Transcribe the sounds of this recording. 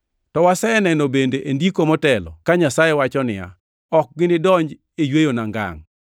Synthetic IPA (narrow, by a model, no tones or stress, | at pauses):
tɔwasɛnɛnobendeʔendikomɔtɛlɔ̰kaɲasajewat͡ʃɔnɪja̰ | ɔk̚ɡɪnɪdɔɲd͡ʒ | ejwejonaŋɡa̰ŋ